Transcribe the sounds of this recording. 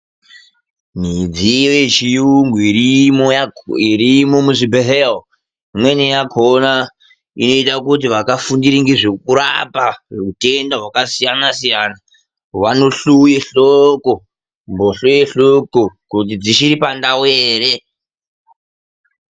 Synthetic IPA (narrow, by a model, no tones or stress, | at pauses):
m̤id͡ziʋet͡ʃiuŋɡuirimojaiɾimo̞muʐibeɦeo | mwe̞nejakʰona | ino̞itakut̬iʋakafundiɾiŋɡeʐekuɾa̰parute̞ndaɦwakasijanasijaːna | ʋano̞ɬujeɬoko | mboɬojeɬokokut̬id͡ziʃiɾipandaweːre